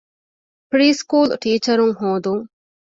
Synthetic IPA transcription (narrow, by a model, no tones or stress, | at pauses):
pɾiːskuːlʈiːt͡ʃɐɾuŋɦoːd̪uŋ